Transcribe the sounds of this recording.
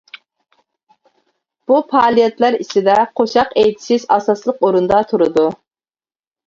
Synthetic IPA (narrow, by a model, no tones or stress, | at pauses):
b̥upʰɑːlˠijɛt̪læɾisɪd̪ɛqʰoʃɑqejt̪ʰɪ̥ʃɪzɑsɑslˠəqoɾund̪ɑt̪ʰuɾɨd̪u